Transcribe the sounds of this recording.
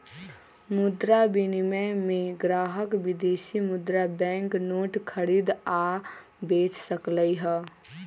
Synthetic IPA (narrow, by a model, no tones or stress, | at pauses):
mʊd̪ɾabiniməmẽɡɾaːɦəkʋɪd̪eːsimʊd̪ɾabɛ̃ŋknoːʈkʰəɾiːd̪a | beːt͡ʃsəkləiɦə